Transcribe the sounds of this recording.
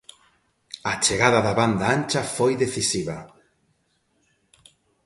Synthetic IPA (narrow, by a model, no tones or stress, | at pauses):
at͡ʃeɣaðaðaβand̪aant͡ʃafojðeθisiβɐ